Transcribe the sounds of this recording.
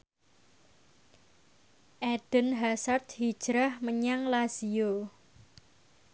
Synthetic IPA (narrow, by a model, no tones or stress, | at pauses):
ʔɛd̪̥ə̤nɦasart̪̚hid̥ʒ̥ɾahməɲaŋlasio